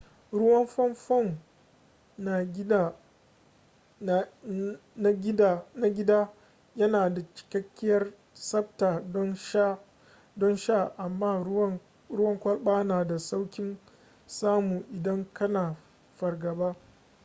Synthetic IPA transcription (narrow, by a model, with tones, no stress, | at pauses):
ɾʊ˦wɐ˦mɸɔ˦mɸɔ˦˨ŋ | na˨˦˨ | na˦ɡʲdna˦ɡʲɪ˦daː˦ | jɐ˦naː˨da˨t͡ʃɪ̥˨kɐ˦kʲːɪ˦jɐ˦r | sɐ˦btaː˨dɔ˦nʃa˦ | dɔ˦nʃa˦˨ʔa˨mːaː˦˨˦ | ɾʊ˦wɐ˦ŋkʷɐ˦lɓaː˦naː˨da˨sa˦wkʲɪ˦n | saː˦mu˨ʔɪ˨dɐ˦ŋkɐ˦naː˨ | ɸɐ˨rɡɐ˨baː˦